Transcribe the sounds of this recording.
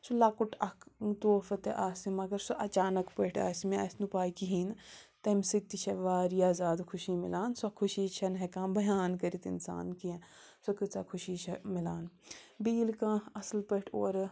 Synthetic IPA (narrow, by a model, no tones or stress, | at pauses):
sulaːkuʈɐkt̪oːfɐt̪eʔaːsimɐɡɐɾsoʔɐt͡ʃaːnɐkpɐʈʰa̰ːsmiɐːsnupaːikiɦiːnt̪ɐmsik̚t̪it͡ʃʰɐʋaːɾijaːzaːd̪kʰʊʃimḭlaːnsokʰʊʃiːt͡ʃʰɐnɦekãːbɐjaːnkɐɾit̪ɪ̰nsa̰ːnkiẽ | sɐkɨt͡sakʰʊʃiːt͡ʃʰɐmilaːnbiːlkãːɐslpəʈʰo̰ːɾ